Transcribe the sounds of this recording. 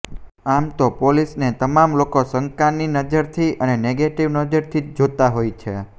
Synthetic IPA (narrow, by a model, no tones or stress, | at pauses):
amt̪opolisnet̪əmamlokosəŋkanːinəd͡ʒəɾt̪ʰiʔəneneɡeʈiʋnəd͡ʒəɾt̪ʰid͡ʒot̪aɦojt͡ʃʰe